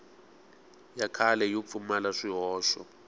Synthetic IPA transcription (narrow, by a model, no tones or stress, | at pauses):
jakʰalɛjɔp̪fumalaʂiɦɔːʃɔ̰